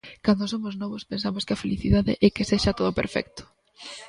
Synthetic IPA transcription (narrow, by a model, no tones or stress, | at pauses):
kand̪osomoznɔβospensamoskɪafeliθiðaðɪ̰ʔɛkeseʃat̪oð̞opḛɾfɛ̰k̚t̪ʊ̥